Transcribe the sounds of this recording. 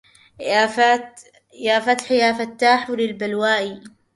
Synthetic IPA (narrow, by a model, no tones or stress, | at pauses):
afa | jaːfat̪ħɪjaːfat̪ːaːħwɾɪlbalwaːʔi